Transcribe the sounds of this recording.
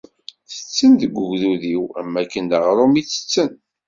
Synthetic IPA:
θə̥t͡sːənðəɡʷːəʝðuðiwæmːækːənd̪əʁɾˤomit͡sːə̥t͡sːən

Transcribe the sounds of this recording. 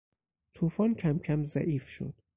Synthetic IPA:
t̪ʰuːfɒːncʰæmcʰæmzæʔiːfʃo̰d̪̥

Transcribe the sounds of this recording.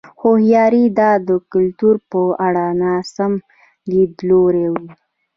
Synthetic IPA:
xohjɑɾid̪ɑd̪əkʊlt̪uɾpəaɽanɑsam | libloɾewi

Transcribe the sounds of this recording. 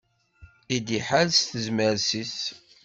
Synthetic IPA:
θid̪iħalsθəzməɾsis

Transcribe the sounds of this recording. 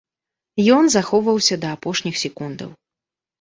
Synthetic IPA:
jɔnzaxɔwvɐwsʲɐd̪ɐːpɔʂnʲixsʲɛkund̪ɐ̰w

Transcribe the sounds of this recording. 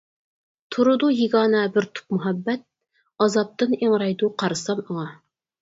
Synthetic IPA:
t̪ʰuɾud̪ujiɡɑːnɑbɪɾt̪ʰu̥p̚muɦæbːɛt̪̚ | ɑzɑp̚t̪ɨneŋɾɑjd̪uqʰɑɾɨsɑməŋɑ

